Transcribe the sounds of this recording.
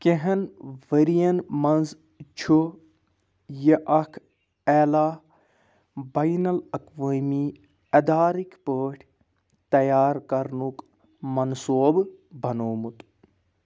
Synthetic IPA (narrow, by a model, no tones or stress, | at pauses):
keɦɐnʋəɾijɐnmɐnz | t͡ʃʰu | jɐʔɐkʰ | ɛːlaː | bɐjnɐlɐkʋəːmiː | ɐd̪aːɾikʰpəːʈʲʰ | t̪ɐjaːɾkɐɾnuk | mɐnsoːbbɐnoːmut̪